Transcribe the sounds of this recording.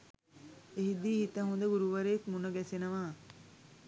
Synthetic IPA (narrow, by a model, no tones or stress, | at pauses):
eɦid̪iːhit̪əɦund̪əɡuɾuʋəɾeːkmunəɡɛsenəʋaː